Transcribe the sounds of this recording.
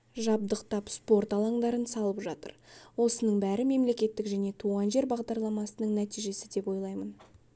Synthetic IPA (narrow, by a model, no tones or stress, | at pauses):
ʒɑb̚d̪əqt̪ɑpspo̞ɾt̪ɑlˠɑɴd̪ɑɾənsɑlˠəpʒɑt̪ə̰ɾwo̞sənəɴbæɾɪme̞mle̞kʲe̞t̪ːɪkʒæne̞t̪ʰuʁɑnʒe̞ɾbɑʁd̪ɑɾlˠɑmɑsənəɴnæt̪ijʒe̞sɪd̪e̞pwo̞jlˠɑjmən